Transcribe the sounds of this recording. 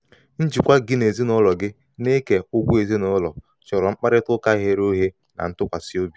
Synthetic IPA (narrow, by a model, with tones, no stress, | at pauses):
n̩˦d͡ʒi˨kʷa˦ɡɪ˦ne˨zi˦nʊ˦lɔ˨ɡɪ˦ | ne˦ke˨ʊ˦ɡʷu˦e˨zi˦nɔ˦lɔ˨ | t͡ʃɔ˨ɾɔ˨ŋ͡m̩˦k͡pa˦ɾɪ˦tʊ˦ka˦ɦe˦ɾo˦ɦe˦ | na̰˨n̩˦tʊ˦kʷa˨sɪ˦o˦bi˨